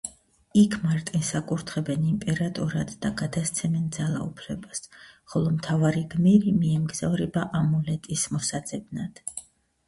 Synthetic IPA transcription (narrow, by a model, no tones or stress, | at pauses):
ikʰmaɾt̪ʼɛnsakʼuɾt̪ʰχɛbɛnimpʼɛɾat̪ʼɔɾad̪ːaɡad̪ast̪sʰɛmɛnd̪zalˠa̰ṵpʰlɛbasχɔlˠɔmt̪ʰavaɾiɡmɛɾimiɛmɡz̥avɾɛbaʔamɔlɛt̪ʼismɔsad̪z̥ɛbnad̪̥